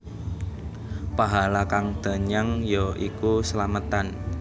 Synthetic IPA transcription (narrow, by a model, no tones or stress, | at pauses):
paɦalakaŋd̪̥ə̤ɲaŋjoʔikusəlamət̪an